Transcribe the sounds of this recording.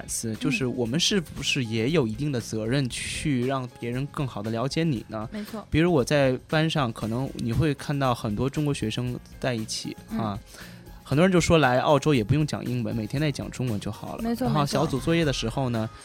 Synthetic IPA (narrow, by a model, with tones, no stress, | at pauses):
nsɹ̩˥˧t͡ɕjo˥˧ʊʂɻ̩˥˩wɔ˨˩mə˦nʂɻ̩˥˩bu˧˩ʂɻ̩˥˩jɛ˧˥jo˨˩ʊi˧˥t̪̬i˥˩ŋd̪ə˩t͡sɤ˧˥ɻə˥˧nt͡ɕʰy˥˧ɻɑ˥˩ŋpjɛ˧˥ɻə˧˥nkɤ˥˩ŋxɑ˨˩d̪ə˦ljɑ˧˥ʊt͡ɕjɛ˧˥nḭ˨˩nə˦˥˧pi˨˧˥ɻu˧˥wɔ˨˩t͡sa˥˩ɪpa˥nʂɑ˥˩ŋkʰɤ˨˩nɤ˧˥ŋni˨˩xwe˥˧ɪkʰa˥˧nt̪ɑ˥˩ʊxə˨˩nt̪wɔ˥ʈ͡ʂʊ˥ŋkwɔ˧˥ɕɥɛ˧˥ʂɤ˥ŋ | t͡sa˥˧ɪi˥˩t͡ɕʰḭ˨˩˦a˥˧˩ | xə˨˩nt̪wɔ˥˧˥t͡ɕjo˥˧˩ʂwɔ˥la˧˥ɪʔɑ̰˥˩ʊʈ͡ʂo˥ʊjɛ˨˩pu˧˥jʊ˥˩ŋt͡ɕjɑ̰˨˩ŋʔḭ˥ŋwə̰˧˥nme˨˩ɪt̪ʰjnt͡s̪a˥˩ɪt͡ɕjɑ̰˨˩ŋʈ͡ʂʊ˥ŋwə˧˥nt͡ɕjo˥˩ʊxɑ̰˨˩ʊlə̰˦˧˥a˥xo˥˩ʊɕjjɑ˧˥ʊt͡su˨˩t͡swɔ˥˧jɛ˥˩d̪ə˩ʂɻ̩˧˥xo˥˧ʊnə˩